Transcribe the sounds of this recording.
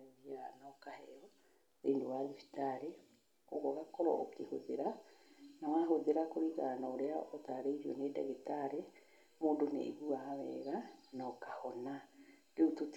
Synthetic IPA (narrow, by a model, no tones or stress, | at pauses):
ðianakahɛɔ | ɾeːndowaðifi̥taɾe | oɣɔɣakɔɾɔ̰okeho̰ðeɾanawaɦoðeɾakoɾiɣanaoɾeaotaɾeiɾiɔnedɛ̰ɣetaɾe | moːndonḛiɣuawɛ̰ɣanɔkahɔnadeutot